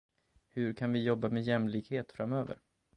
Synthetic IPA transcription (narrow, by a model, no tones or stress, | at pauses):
hɵɾkʰanvɪjɔbːamɛjɛmlɪɡheːt̪fɾamøːvə̰ɾ